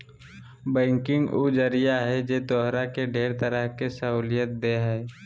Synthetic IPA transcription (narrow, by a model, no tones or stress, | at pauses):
bɛ̃ːŋkɪ̃ŋɡud͡ʒəɾijaɦɛd͡ʒeːt̪ɔːɦɾakeɖʱeːɾt̪əɾəɦkesəɦuːlijət̪̚d̪eɦɛː